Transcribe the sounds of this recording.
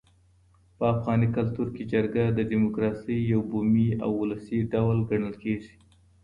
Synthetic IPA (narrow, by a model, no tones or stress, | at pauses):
pəafɣɑnikalt̪uɾked͡ʒaɾɡad̪əɖimʊkɾɑsəjːawbumia̰wʊləsiɖawlɡaɳəlkeʒi̥